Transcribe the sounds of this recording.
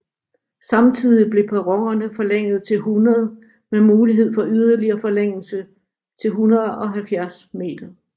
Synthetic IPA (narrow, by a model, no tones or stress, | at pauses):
sɑ̈mt͡sʰið̰ˠib̥le̝pʰæʁɒŋɐnəfɒ̽leŋ̰ð̞̩ˠt͡sʰe̝lhunɐð̞̩ˠ | memuːliɦe̝ð̞̰ˠfɒ̽ʔyð̞ˠɐliɐːfɒ̽leŋ̰l̩sə | t͡sʰe̝lɦunɐðˠɒ̽ɦælfjæɐsme̝̰ːd̥ɐ